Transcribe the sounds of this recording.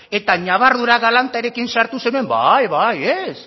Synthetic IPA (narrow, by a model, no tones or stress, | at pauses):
e̞t̪aɲaβ̞aɾðuɾaɣalant̪aeɾe̞kinsaɾt̪use̞nue̞mbajβajes